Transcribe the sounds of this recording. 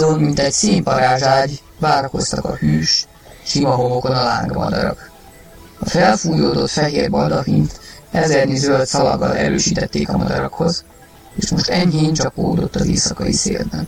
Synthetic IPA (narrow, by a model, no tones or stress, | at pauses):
onmint̪ɛɟseːmpɒɾaːʒaːɟ | ʋaːɾɒko̞st̪ɒkɒhyːʃ | ʃimɒɦo̞moko̞nɒlaːŋɡmɒ̰d̪ɒɾɒk | ɒfɛlfuːjoːd̪o̞t̪fɛɦeːrbɒd̪ɒɦint̪ɛzɛrnizølt̪sɒlɒɡːɒlɛ̰ɾøːʃiːt̪ɛt̪ːeːkɒmɒd̪ɒɾɒkho̞z | eːʃmo̞ʃt̪ɛɲɦeːɲt͡ʃɒpːoːd̪o̞t̪ːɒzeːsɒkɒjisḛːld̪ɛn